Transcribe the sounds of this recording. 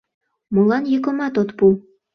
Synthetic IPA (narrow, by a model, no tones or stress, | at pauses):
mulɑnjɤkə̆mɑt̪ot̪pu